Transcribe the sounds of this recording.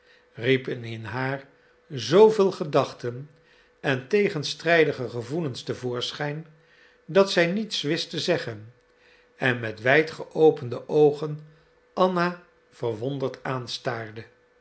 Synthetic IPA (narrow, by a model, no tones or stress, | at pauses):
ripənɪnɦaːɹ | zowvɪːlˠχədɑχtən | ɛntejχənstrɛjdəχəχəvulənstəvʊːɹsχɛjn | dɑtsɛjnitsʋɪstəzɛχən | ɛnmɛtʋɛjtχəʔowpəndəʔowχən | ɑna | v̥ərʋɔndəɹtaːnstaːrdə